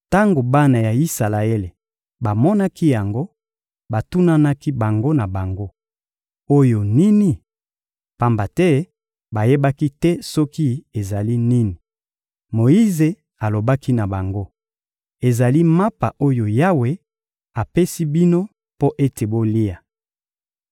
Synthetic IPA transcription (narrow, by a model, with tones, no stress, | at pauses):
ta˦ŋɡo˨ba˦na˨ja˨i˦sa˨la˨e˦le˨ | ba˨mɔ˦na˦ki˦ja˨ŋɡo˦ | ba˨tu˦na˦na˦ki˦ba˨ŋɡo˦na˨ba˨ŋɡo˦ | o˦jo˨ni˦ni˨ | pa˦mba˨tɛ˦ | ba˨je˦ba˦ki˦tɛ˦sɔ˦ki˦e˨za˨li˦ni˦ni˨ | mo˨i˦ze˨ | a˨lo˨ba˦ki˦na˨ba˨ŋɡo˦ | e˨za˨li˦ma˦pa˨ʔo˦jo˨ja˦we˨ | a˨pe˦si˦bi˦no˦ | po˦ʔe˦te˨bo˦li˦a˨